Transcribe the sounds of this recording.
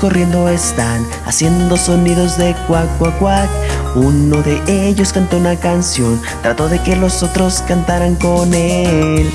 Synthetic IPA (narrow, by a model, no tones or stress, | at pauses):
ko̞rje̞nd̪o̞e̞st̪an | a̰sje̞nd̪o̞so̞niðo̞zðe̞kwakwakwakuno̞ðe̞ʔe̞ʝo̞skant̪o̞unakansjo̞n | t̪ɾat̪o̞ðe̞ke̞lo̞so̞t̪ɾo̞skant̪aɾaŋko̞nel